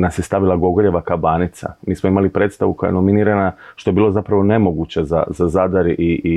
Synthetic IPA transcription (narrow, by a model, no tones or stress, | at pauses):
nasjest̪aʋilˠaɡo̞ɡoɾe̞ʋakabaːnit̪sa̰miːsmo̞imalipɾe̞ːt̪st̪aʋukoja̰j̰no̞miniːɾanaʃt̪o̞jbilozapɾaʋo̞ne̞mo̞ɡut͡ɕeza̰zazad̪aɾiʔi